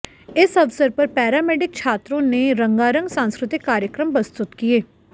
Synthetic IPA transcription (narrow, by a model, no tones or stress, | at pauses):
ɪsəʋsəɾpəɾpɛːɾaːmɛːɖɪk̚t͡ʃʰaːt̪ɾõːneːɾə̃ŋɡaːɾə̃ŋɡsãːnskɾɪt̪ɪkːaːɾjəkɾəmbəst̪ʊt̪kieː